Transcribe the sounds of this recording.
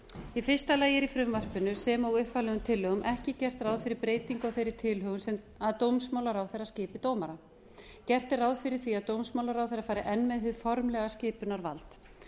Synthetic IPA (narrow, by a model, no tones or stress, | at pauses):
ifɪr̥st̪alaːjɪɾifɾʏmvar̥pʏnʏsɛmɔɣʏhpalɛɣʏmt̪ʰɪlːœɣʏmʔɛhcɪcɛr̥t̪raːwðfɪɾɪɾpɾeːjt̪iŋkawθejɾɪ̥t̪ʰɪlɦʏɣʏnsɛm | aðt̪owmsmaːwlaɾawθejɾascɪːpɪt̪owmaɾa | cɛr̥t̪ɪrawðfɪɾɪɾ̥θiaðt̪owmsmawlaɾawθejɾafajɾɪʔɛnːmɛðɦɪðfɔɾmlɛɣascɪːpʏnaɾva̰lt̪